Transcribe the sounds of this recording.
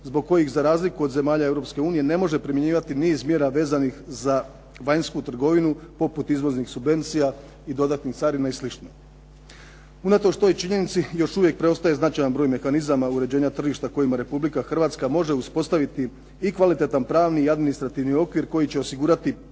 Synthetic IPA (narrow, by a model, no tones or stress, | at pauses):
zbo̞ɡ̚ko̞jixzaɾaːzlikuo̞d̪ze̞maːʎae̞vɾo̞pske̞uːnije̞ne̞mo̞ʒe̞pɾimjeɲiːʋat̪iniːzmjeɾaʋe̞ːzanixza | ʋaɲskut̪r̩ɡo̞ʋinupo̞put̪izʋo̞znixsubʋe̞nt̪sija | id̪o̞d̪at̪nixt̪saːɾinaislit͡ʃno | unat̪o̞ʃt̪o̞jt͡ʃiɲe̞nit̪sijo̞ʃuʋje̞k̚pɾe̞o̞st̪aje̞znat͡ʃajanbɾo̞jme̞xanizamauɾe̞d͡ʑe̞ːɲat̪r̩ʒiʃt̪ako̞jimaɾe̞publikaxr̩ʋaːt̪skamo̞ʒe̞uspo̞st̪aʋit̪iː | kʋalit̪e̞t̪anpɾaːʋniiad̪minist̪ɾat̪iʋnio̞kʋiɾko̞jit͡ɕe̞o̞siɡuːɾat̪i